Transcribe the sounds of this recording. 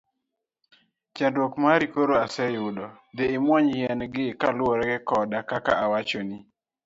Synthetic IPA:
t͡ʃɛndwɔkmaɾikoɾoasɛjʊdɔ | d̪eɪmwɔɲjɛnɡɪkalɔɾɛɡɛkɔdakakaʔawat͡ʃoni

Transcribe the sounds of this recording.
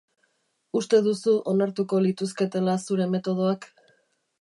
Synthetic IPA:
ust̪e̞ðusuʔo̞naɾt̪uko̞lit̪uske̞t̪e̞lasuɾe̞me̞t̪o̞ð̞o̞ak

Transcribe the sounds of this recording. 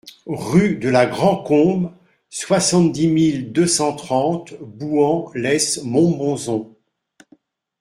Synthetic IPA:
ʁyd̪əlaɡʁɑ̃kɔ̃b | swasɑ̃t̪̚d̪imild̪øsɑ̃t̪χɑ̃t̪buɑ̃lɛsmɔ̃bɔ̃zɔ̃

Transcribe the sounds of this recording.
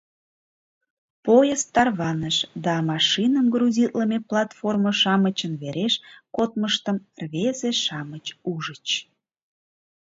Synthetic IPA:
pojəst̪ɑrβɑnəʃd̪ɑmɑʃinəmɡruzʲit̪ləmeplˠɑt̪forməʃɑmət͡ɕənβeɾeʃkot̪̚məʃt̪əmrβezeʃɑmət͡ɕuʒət͡ɕ

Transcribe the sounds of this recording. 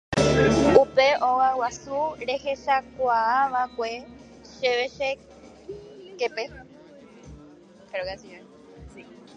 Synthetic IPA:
upe̞ʔowawasuɾe̞he̞ʃakʷaaʋakʷe̞ | ʃeʋeʃe | kepe | peɾoɡasie

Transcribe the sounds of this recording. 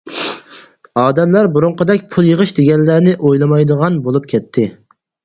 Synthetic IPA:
ɑːd̪ɛmlæɾbuɾuɴqəd̪ɛkʲpʰulˠjəʁəʃd̪eɡʲɛnlænɪʔojlˠɑmɑjd̪əʁɑnbolˠup̚kʲʰɛt̪ʰːɪ

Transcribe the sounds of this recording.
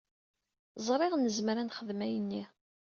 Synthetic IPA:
zˤɾˤeʁnəzməɾænχəðmæjənːi

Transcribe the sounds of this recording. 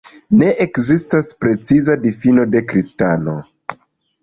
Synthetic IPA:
ne̞ʔekzistaspɾe̞t͡sizadifino̞de̞kɾistano̞

